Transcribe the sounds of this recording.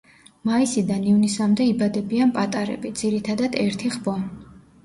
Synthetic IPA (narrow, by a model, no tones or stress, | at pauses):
maisid̪anivnisamd̪ɛibad̪ɛbianpʼat̪ʼaɾɛ̰bid̪z̥iɾit̪ʰad̪ad̪̥ɛɾt̪ʰiʁbɔ